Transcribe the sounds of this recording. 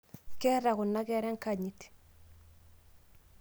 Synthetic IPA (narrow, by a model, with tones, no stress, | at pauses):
kɛ˦ɾa˨kʊ˨nːa˦kɛ˦ɾɛ˦ŋka˨ɲi˨t